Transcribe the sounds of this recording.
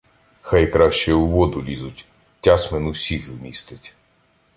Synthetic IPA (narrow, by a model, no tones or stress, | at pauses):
xɑjkɾɑʃt͡ʃɛʊʋɔd̪ʊlʲizʊtʲ | tʲːɑsmɛnʊsʲixwmʲist̪ɪtʲ